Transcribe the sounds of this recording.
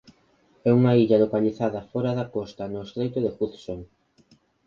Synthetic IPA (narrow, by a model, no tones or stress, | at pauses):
ɛuŋɐiʎɐlokaʎiθaðɐfɔɾɐðɐkɔst̪ɐnʊest̪ɾejt̪oðeɣuθsoŋ